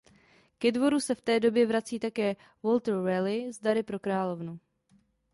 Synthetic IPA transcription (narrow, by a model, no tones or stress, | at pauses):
kɛdvo̞ɾusɛft̪ɛːdo̞bjɛvɾat͡siːt̪akɛː | vo̞lt̪ɾɛlɪzdaɾɪpɾo̞kɾaːlo̞vnu